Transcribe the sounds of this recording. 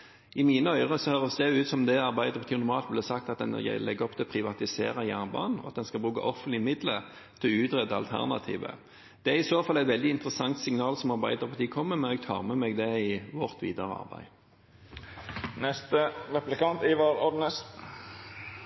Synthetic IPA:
ɪmiːnəœʏʁəsɔhøːʁəsd̪ɛʉːt̪sɔmd̪ɛɑʁbæɪd̪əʁpʰɑt̪ʰiːnʊɔmɑːlt̪̚blɛsɑk̚t̪ɑt̪̚d̪ɛ̰n̰lɛɡɔpt̪ʰɪlɔpʰʁɪʋɑt̪ɪsḛːʁəjæːnbɑ̰ːnɔ̰ɑt̪d̪ɛnskɑlbʁʉːkə̰ʔɔfənt̪lɪmɪd̪lə | t̪ʰɪlɔʉːt̪ʁɛd̪əɑ̰lt̪ʰæ̰ʁnɑ̰t̪ʰḭːʋə̰ | d̪̥ɛæʁɪsoːfɑlːæɪt̪ʋɛld̪ɪɪnt̪əʁəsɑŋt̪sɪŋnɑːlsɔmɑʁbæɪd̪əʁpʰɑt̪iːkʰɔmːəmɛnɛːɡt̪ʰɑ̰ːʁmɛmɛɡd̪ɛɪʋɔʁt̪ʰʋḭːd̪əʁəɑ̰ʁbæ̰ɪ | nɛst̪əʁɛplɪkɑnt̪ɪʋɑːɾɔd̪nəs

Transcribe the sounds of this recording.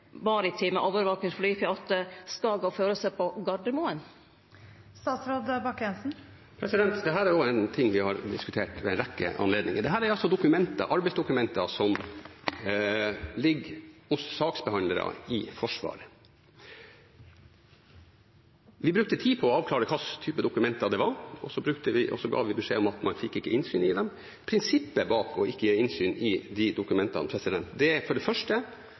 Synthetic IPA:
bɑːɾəɪt̪ʰɪməʔoːʋəɾʋɑːknɪŋflyːfɪɑt̪əskɑːɡɑføːɾəsɛpʰɔɡɑɖəmoːən | st̪ɑːt̪sɾoːd̪bɑkːjɛnsn̩ | pʰɾɛsɪd̪ɛnt̪d̪ɛɦæːɾæɾoːɛnt̪ʰɪŋːʋɪhɑɾd̪ɪskʉt̪ʰeːʈʋɛɛnɾɛkːə̰ɑ̰nleːd̪nɪ̰ŋəd̪ɛɦæːɾæɾɑlsɔd̪ʊkʉmɛnt̪ɑ̰ʔɑɾbɛɪsd̪ʊkʉmɛnt̪ɑsɔm | lɪɡhʊsːɑːksbəhɑnd̪ləɾɑ̰ɪfɔʂʋɑ̰ːɾə | ʋɪbɾʉk̚t̪ət̪ʰiːpʰɔːɑːʋkʰlɑːɾəkʰɑst̪ʰyːpəd̪ʊkʉmɛnt̪ɑd̪ɛʋɑɾɔsɔbɾʉkt̪əʋɪʔɔ̰sːɔɡɑ̰ːʋɪbɛʂeːɔmɑt̪mɑnfɪkːɪkːəʔɪnsyːnɪd̪ɛm | pʰɾɪnsɪpːəbɑːkʰɔɪkːəjeːɪnsyːnɪd̪ɪd̪ʊkʉmɛnt̪ɑ̰npʰɾɛsɪd̪ɛnt̪d̪ɛæfɔɖɛfœʂʈə

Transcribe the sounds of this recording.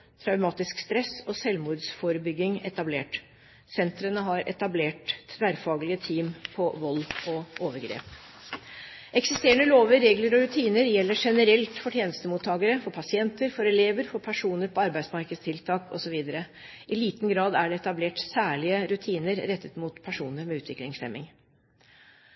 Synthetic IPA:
t̪ʰɾɑʉmɑːt̪ɪskst̪ɾɛsɔsɛlmuːd̪sfɔɾəbʏɡɪŋɛ̰t̪ɑbleːʈ | sɛnt̪ɾənəɦɑɾɛ̰t̪ɑbleːʈt̪ʰʋæːɾfɑːɡlɪət̪ʰiːmpʰɔʋɔlːɔʔoːʋəɾɡɾḛːp | ʔɛksɪst̪eːəɳəloːʋəɾeːɡləɾɔɾʉt̪ʰiːnəɾjɛlːəʂɛnəɾɛlt̪fɔʈʰjeːnəst̪əmuːt̪ʰːɑːɡəɾəfɔɾpʰɑsɪɛnt̪əɾfɔɾɛleːʋəɾfɔɾpʰæʂuːnəɾpʰɔɑɾbæɪd̪smɑɾkəst̪ʰɪlt̪ʰɑːkɔsɔʋiːd̪əɾə | ʔɪliːt̪nɡɾɑːd̪æɖɛɛt̪ɑbleːʈsæːɭɪəɾʉt̪ʰiːnəɾɾɛt̪ːət̪muːt̪pʰæʂuːnəɾmɛʉ̟ːt̪ʰʋɪklɪŋslɛ̰mɪŋ

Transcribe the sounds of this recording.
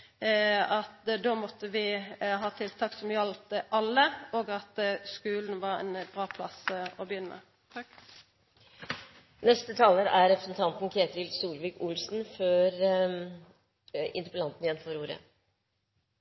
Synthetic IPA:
ɑt̪d̪oːmɔt̪ːəʋɪɦɑːt̪ʰɪlt̪ʰɑːksɔmjɑlt̪əʔɑlːəoːɡɑt̪skʉːln̩ʋɑʁɛ̰nb̥ɾɑːpʰlɑ̰sɔbəjʏnːəmə̰ | nɛst̪ət̪ʰɑːləɾæɾɾɛpɾəsnt̪ʰɑnt̪n̩kʰɾeːt̪ɾɪlsuːɾʋɪkʊlsn̩føɾ | ɪ̰nt̪əpəlɑnt̪n̩jɛnfɔɾuːɾə̰

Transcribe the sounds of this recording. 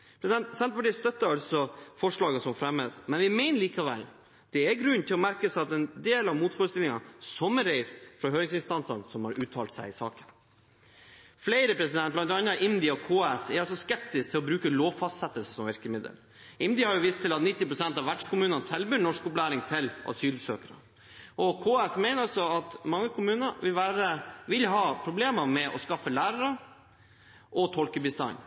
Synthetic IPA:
pʰɾɛsd̪ɛnsɛnt̪fɔɖist̪œt̪ːəɾɑlsɔfɔʂɭɑːɡəsɔmfɾɛmːəsmɛnʋɪmɛɪnəliːkɑʋɛ̰l | d̪̥ɛæɾɡɾʉnːt̪ʰɪlɔmæɾkəsɑt̪ɛnd̪eːlɑʋmuːt̪fɔɾəst̪ɪlɪŋɑsɔmːəɾeɪst̪fɾɑɦøːɾɪŋsɪnst̪ɑnsənsɔmhɑɾʔʉːt̪ʰɑːlt̪sæɪɪsɑ̰ːkən | fleɪɾəpʰɾɛsɪd̪ɛn̚blɑnt̪ɑnːɑʔɪnd̪ɪɔkʰoːɛsɛɾɑlsɔskɛp̚t̪ɪsk̚t̪ʰɪlɔbɾʉːkəloːʋfɑst̪sɛt̪ːəlsəsɔmʋɪɾkəmɪd̪ə̰l | ɪnd̪ɪhɑɾjʊʋiːst̪ʰɪlɑt̪nɪt̪ːɪpɾʊsɛnt̪ɑʋæɖʂkʊmʉːnənsʰɛlbyːɳɔʂkɔplæːɾɪŋt̪ʰɪlʔɑ̰syːlsøːkəɾə̰ | ʔɔkʰoːæsmɛɪnəɾɑlsɔɑt̪mɑŋːəkʰʊmʉːnəʋɪlʋæːɾəʋɪlɦɑːpʰɾʊbleːməmɛʔɔskɑfːəlæːɾəɾə | ʔɔt̪ʰɔlkəbɪsɑɪn

